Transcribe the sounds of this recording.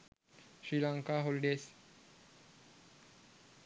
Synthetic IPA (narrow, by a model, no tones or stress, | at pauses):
ɕɾilaŋkaɦolɖes